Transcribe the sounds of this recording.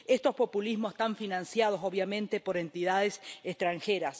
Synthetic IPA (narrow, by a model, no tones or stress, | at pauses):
est̪o̞spo̞pulizmosest̪aɱfinãnsjað̞o̞soβjamẽ̞nt̪e̞po̞ɾent̪iðaðesest̪ɾaŋxeɾas